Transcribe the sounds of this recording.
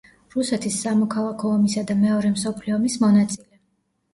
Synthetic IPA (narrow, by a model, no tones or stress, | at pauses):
ɾusɛt̪ʰisːamɔkʰalˠakʰɔːmisad̪amɛɔɾɛmsɔpʰliɔmismɔnat̪sʼilɛ